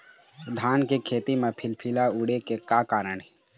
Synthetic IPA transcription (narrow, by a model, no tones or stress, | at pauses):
d̪ʱaːnkekʰeːt̪imepʰɪlpʰilauːɽekekaːkaːɾəɳɦɛ